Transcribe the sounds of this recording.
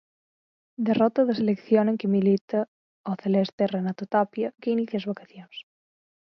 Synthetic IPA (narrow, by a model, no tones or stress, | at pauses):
d̪erɔt̪ɐðeselekθjonẽŋkemilit̪a | oθelest̪erenat̪ot̪apjakeiniθjaezβakaθjons